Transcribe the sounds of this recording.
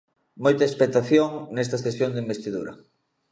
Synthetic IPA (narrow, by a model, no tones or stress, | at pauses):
mojt̪ɐespek̚t̪aθjoŋnɛst̪ɐsesjoŋd̪eimbest̪iðuɾɐ̰